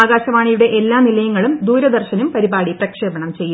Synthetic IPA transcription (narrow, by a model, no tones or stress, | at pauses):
aːɡaːɕɐmaːɳijuɽe̞ʔelːaːnilɐjuŋːɐɭumd̪uːɾɐd̪ɐrɕɐnumpɐɾibaːɽiprɐkʂeːbɐɳɐmt͡ɕe̞jːu